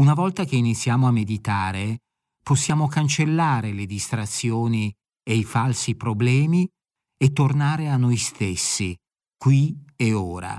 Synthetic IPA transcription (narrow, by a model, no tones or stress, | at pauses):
unavɔlt̪ak̟einit̪sːjaːmoamːed̪it̪aːɾe | posːjaːmokant͡ʃelːaːɾeled̪ist̪ɾat̪sːjoːni | ejfalsipɾoblɛːmi | et̪ːornaːɾeanːojst̪esːi | kwieoːɾa̰